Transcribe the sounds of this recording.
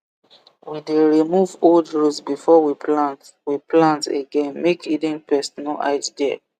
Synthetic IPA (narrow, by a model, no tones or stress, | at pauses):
wideɹimuvoldɹutsbifɔwipʰlãnt | wiplãntḛɡɛ̃nmekʰidĩŋpʰɛsɔnɔʔa̰ɪtdɛ